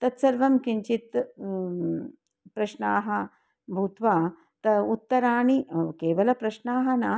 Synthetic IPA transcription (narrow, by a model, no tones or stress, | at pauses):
t̪ɐt̪sɐɾʋɐmkiɲt͡ʃit̪ | pɾɐʃɳaːɦɐ | bʱut̪ʋaː | t̪ɐut̪ːɐɾaːɳikeːʋɐlɐpɾɐʃɳaːɦɐnaː